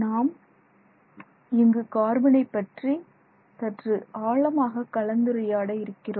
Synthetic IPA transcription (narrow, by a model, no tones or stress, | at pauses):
naːm | ɪŋɡɯkaːɾbɪnɐɪpːɐʈri | t̪ɐʈrɯʔaːɭɐmaːɣɐkːɐɭɐnd̪ɯɾɐjaːɽɐɪɾɯkːɪroː